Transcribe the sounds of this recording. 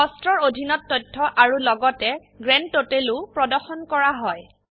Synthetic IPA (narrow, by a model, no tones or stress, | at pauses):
ɔstɹɔɹodʱinɔtːɔjtʰːɔʔaɹulɔɡɔtɛ | ɡɹɛnotelupɹɔdɔɹxɔnkɔɹaɦɔj